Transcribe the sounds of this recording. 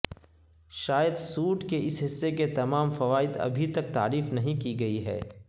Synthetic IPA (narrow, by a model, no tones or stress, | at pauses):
ʃaːjəd̪suːʈkeɪsɦɪsːeket̪ɐmaːmfɐʋaːɪd̪ɐ̰bʱit̪ɐk̚t̪a̰ːɾiːfnɐɦĩkiɡɐiɦɛ̰ː